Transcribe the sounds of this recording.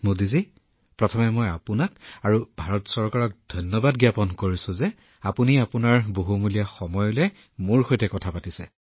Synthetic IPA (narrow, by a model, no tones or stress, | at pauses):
modizi | pɹɔtʰɔmɛmɔjapunakaɹubʱaɹɔtsɔɹkaɹɔk̚dʱɔjnːɔbadɡjapɔnkoɹisʊzɛ | apuniapunaɹboɦumulijaxɔmɔjɔlɛ | muɹxojtɛkɔtʰapatisɛ